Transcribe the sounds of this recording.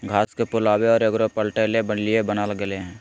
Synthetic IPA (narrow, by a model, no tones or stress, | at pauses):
ɡʱaːskepʊlaːweɔːɾəɡɾopəlʈelebənliebənaːlɡəleɦɛ̃ː